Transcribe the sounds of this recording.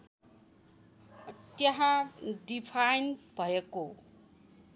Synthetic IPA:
ʌt̪jaɦadipʰajnbʱʌeko

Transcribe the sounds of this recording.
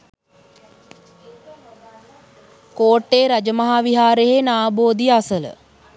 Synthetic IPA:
koːʈːeːɾad͡ʒəmaɦaːʋiɦaːɾeɦenaːboːd̪ijasələ̰

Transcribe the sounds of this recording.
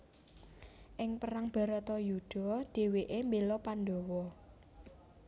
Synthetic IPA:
ʔɪŋpəɾaŋb̥a̤ɾət̪ɔjud̥ɔ̤ɖ̪̥e̤weʔembelɔpanɖɔwɔ

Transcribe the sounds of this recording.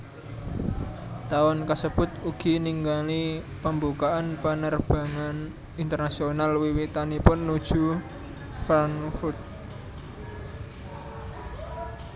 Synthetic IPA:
t̪awɔnkəsəb̥ʊ̤t̪̚uɡ̥i̤niŋɡalipəmbukaʔanpənərb̥a̤ŋan | int̪ərnasionalwiwit̪anipʊnːud̥ʒ̥ṳ | fɾanfʊt̪̚

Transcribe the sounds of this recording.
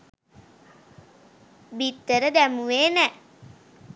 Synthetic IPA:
bit̪ːəɾəd̪æmuʋeːnɛ

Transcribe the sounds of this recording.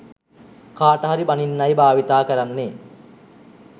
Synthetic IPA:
kaːʈəɦaɾibaninːajbaːʋit̪aːkəɾanːe

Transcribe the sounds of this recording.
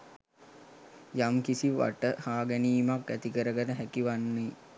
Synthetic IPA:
jamkisiʋa̰ʈəhaːɡæniːmakːæt̪ikəɾəɡənəɦækiʋanːe

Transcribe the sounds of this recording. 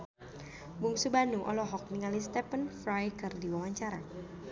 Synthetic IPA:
buŋsubanuʔɔ̰lɔɦɔk̚niŋalist̪ɛpənfɾajkɨrdiwawaɲt͡ʃaɾa

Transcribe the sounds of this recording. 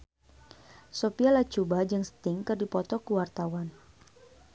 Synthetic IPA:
sopialat͡ʃubad͡ʒɨŋsə̥t̪ɪŋkɨrdipɔt̪ɔkuwart̪awan

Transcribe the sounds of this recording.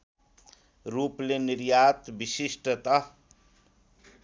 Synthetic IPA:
ɾupleniɾjat̪bisisʈʌt̪ʌ

